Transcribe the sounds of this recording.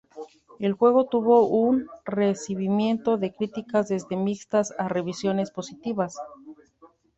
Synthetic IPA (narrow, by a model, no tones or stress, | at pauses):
e̞lxwe̞ɣ̞o̞t̪uβo̞ʔunresiβimje̞nt̪o̞ðe̞kɾit̪ikazðe̞zðe̞mikst̪asare̞βisjo̞ne̞spo̞sit̪iβas